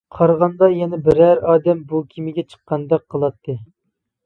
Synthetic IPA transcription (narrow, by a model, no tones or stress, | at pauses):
qʰɑɾʁɑnd̪ɑjɛnɛbɪɾæɾɑːd̪ɛmbukʲʰimɪɡʲɛt͡ʃʰə̥qːɑnd̪ɛk̚qʰːəlˠɑt̪ʰːɨ